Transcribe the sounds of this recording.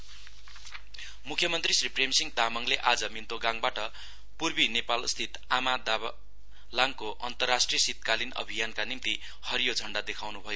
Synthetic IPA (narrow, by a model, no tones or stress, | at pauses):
mukʰjʌmʌnt̪risripremsiŋd̪amʌŋleʔad͡zʌmint̪oɡãŋbaʈʌ | purbinepalst̪ʰit̪ | amad̪a | laŋkoʔʌnt̪ʌrːasʈrijʌsit̪̚kalinʌ̰bʱijankanimt̪i | hʌɾjod͡zʱʌɳɖad̪ekʰawnubʱʌjo